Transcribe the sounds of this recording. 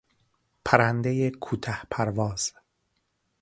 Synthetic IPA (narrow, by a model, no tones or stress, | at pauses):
pʰæɾænd̪ejekʰuːt̪ʰæhpʰæɾvɒːz̥